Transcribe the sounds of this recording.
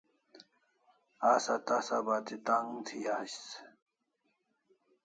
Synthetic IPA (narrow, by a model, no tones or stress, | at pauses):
aːsat̪asabaːt̪it̪aŋt̪ʰiaɕs